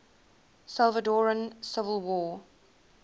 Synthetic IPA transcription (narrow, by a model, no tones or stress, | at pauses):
salˠvədɔɹə̃nsɪvəlˠwɔː